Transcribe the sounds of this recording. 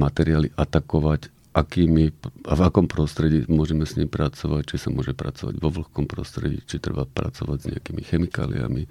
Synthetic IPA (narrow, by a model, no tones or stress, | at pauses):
mat̪ɛɾiaːliʔat̪akɔʋac | ʔakiːmiavakɔmpɾɔst̪ɾɛɟiːmʊɔʒɛmɛsɲimpɾat͡sɔʋact͡ʃisamʊɔʒɛpɾa̰t͡sɔʋa̰ɟʋɔʋl̩xkɔmpɾɔst̪ɾɛɟḭːt͡ʃit̪ɾɛ̰bapɾa̰t͡sɔʋaɟzɲɛ̰akiːmixɛmika̰ːlḭa̰mi